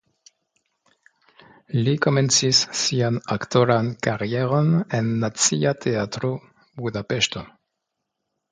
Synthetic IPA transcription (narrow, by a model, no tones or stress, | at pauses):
likomensisːianakt̪oɾankaʁjeɾonenːat͡siat̪ʰeat̪ɾo | buðapeʃt̪o